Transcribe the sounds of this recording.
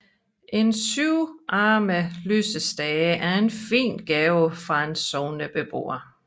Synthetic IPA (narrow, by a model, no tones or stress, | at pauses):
ʔe̝nsyʊ̰ʔɑ̈ːməlyːsəsd̥ɛːəʔæɐe̝nfḭːnɡ̥ɛʊfʁɑ̈e̝nsɔʊnəb̥e̝b̥o̝̰ːɐ